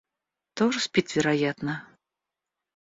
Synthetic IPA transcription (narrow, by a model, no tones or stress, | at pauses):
t̪oʐɨsʲpʲit̪ʲvʲɪɾajat̪nə